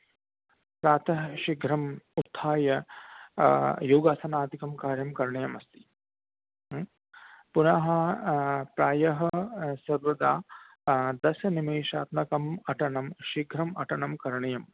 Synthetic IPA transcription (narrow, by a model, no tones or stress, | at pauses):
pɾaːt̪ʰɐɦʃiɡʱɾɐmut̪ʰːaːjɐ | joːɡaːsɐnaːd̪ikɐmkaːɾjɐmkɐɾɳɐjɐmɐst̪i̥ | punɐɦɐ̆ | pɾaːjɐɦɐsɐɾʋɐd̪aː | d̪ɐsɐnimeːʃa̰ːt̪nɐkɐmɐʈɐɳɐmʃiɡʱɾɐmɐʈɐɳɐmkɐɾɳɐjɐm